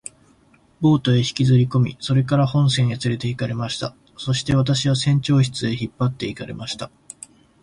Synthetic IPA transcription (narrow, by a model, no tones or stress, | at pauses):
bo̞ːt̪o̞e̞çi̥kʲizɨɾʲiko̞mʲḭso̞ɾe̞kaɾahõ̞ɰ̃sẽ̞ɰ̃jat͡sɨɾe̞t̪e̞ikaɾe̞maɕi̥t̪a | so̞ɕi̥t̪e̞βat̪̬aɕiβasẽ̞ɲt͡ɕo̞ːçi̥t͡sɨe̞çipːat̪ːe̞ikaɾe̞̰maɕi̥t̪a